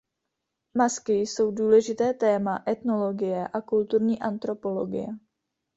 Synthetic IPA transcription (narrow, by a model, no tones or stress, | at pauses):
maskɪjso̞wduːlɛʒɪt̪ɛːt̪ɛːmaʔɛt̪no̞lo̞ɡɪjɛʔakult̪uɾɲiːʔant̪ɾo̞po̞lo̞ɡɪ̰jɛ